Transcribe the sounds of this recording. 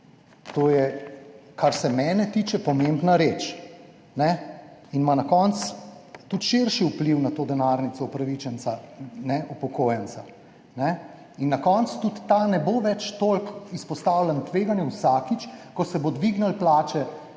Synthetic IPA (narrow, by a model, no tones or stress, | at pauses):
t̪oːjɛ | kaɾsɛmɛːnɛt̪iːt͡ʃɛpɔmembnaɾeːt͡ʃ | nɛinmanakɔnt̪st̪ut̪ʃeɾʃiupliwnat̪oːd̪ɛnaːɾnit̪sɔupɾaʋit͡ʃɛnsanɛupɔkoːjɛnsa | nɛ | inːakɔnt̪st̪ut̪ːanɛboʋɛt͡ʃt̪olkispɔst̪aːwlɛnt̪ʋeːɡanjɛwsaːkit͡ʃkɔsɛbod̪ʋiɡnalplaːt͡ʃɛ